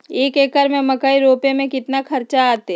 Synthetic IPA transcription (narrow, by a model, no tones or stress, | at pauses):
eːkeːkəɾmẽmɐkaːiɾoːpemẽkɪt̪nakʰɐɾt͡ʃaaːt̪e